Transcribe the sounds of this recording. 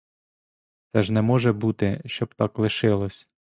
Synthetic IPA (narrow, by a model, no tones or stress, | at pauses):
t̪sɛʒnɛmɔʒɛbut̪ɪʃt͡ʃɔb̚t̪ɑklˠɪʃɪlˠɔsʲ